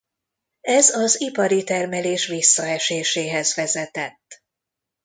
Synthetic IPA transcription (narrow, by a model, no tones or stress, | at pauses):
ɛzɒzipɒɾit̪ɛrmɛleːʃʋisːɒɛʃeːʃeːɦɛzʋɛzɛt̪ɛt̪ː